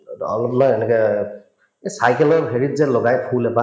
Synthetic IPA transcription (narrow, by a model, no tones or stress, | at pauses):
ɔ̰lɔplɔjɛnɛkɛ | esajkɛlɔɹɦeɹit̚zɛlɔɡajpʰulɛpa